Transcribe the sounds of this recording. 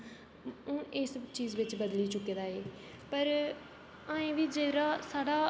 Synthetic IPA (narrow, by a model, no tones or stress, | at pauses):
ɪst͡ʃiːzʋɪt͡ʃbəd̪liːt͡ʃʊkːeːd̪aːeː | pəɾ | ãːẽːʋiːd͡ʒeːɾaːsaːɽaː